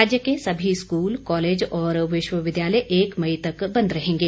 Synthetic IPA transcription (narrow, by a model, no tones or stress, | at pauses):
aːd͡ʒjəkesɐbʱiskuːlkɔːleːd͡ʒɔːɾʋɪʃwəʋɪd̪jaːləjʔeːkmɐit̪ɐkbɐ̃nd̪ɾɐɦẽːŋɡeː